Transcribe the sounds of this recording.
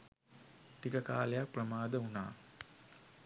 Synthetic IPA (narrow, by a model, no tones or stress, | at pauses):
ʈikəka̰ːlejak̚prəmaːd̪əuna̰ː